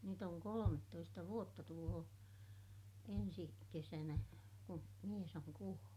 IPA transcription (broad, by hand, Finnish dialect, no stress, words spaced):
nyt oŋ kolometːoistɑ ʋuotːɑ tuloː ensi kesænæ ku mies oŋ kuolːu̥